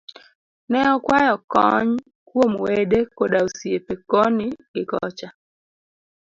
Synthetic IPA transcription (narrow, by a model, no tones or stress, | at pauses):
nɛɔkwajɔkɔ̰ɲ | kwomwedekodaosiepekonɪɡɪkɔ̰t͡ʃa